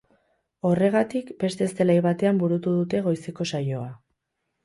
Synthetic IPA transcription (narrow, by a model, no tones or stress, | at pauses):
o̞re̞ɣ̞at̪ikbe̞st̪e̞ːst̪e̞lajβat̪e̞ambuɾut̪uðut̪e̞ɣ̞o̞jseko̞sajo̞a